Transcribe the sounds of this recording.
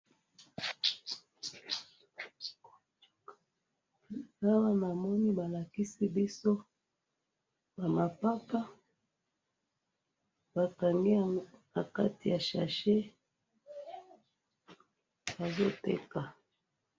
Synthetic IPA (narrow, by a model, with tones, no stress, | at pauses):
a˦wa˦na˨mɔ˦ni˦ba˨la˨ki˦si˦bi˦so˦ | ba˨ma˨pa˦ka˦ | ba˨ka˨ŋɡe˦˨ | a˨ka˦ti˨ja˨ʃa˨ʃe˦ | ba˨zo˦tḛ˦ka˨